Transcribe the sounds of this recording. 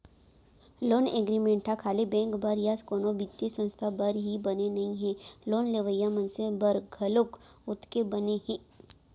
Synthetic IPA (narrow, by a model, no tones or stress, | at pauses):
loːneɡɾimẽːɳʈʰakʰaːlibɛ̃ːŋkbɐɾjaskoːnobit̪ːjesə̃nst̪ʰabəɾɦibɐnenɐɦĩɦẽloːnleʋəjamənsẽbɐɾɡʱɐlʊkʊt̪ʰkebɐneɦẽː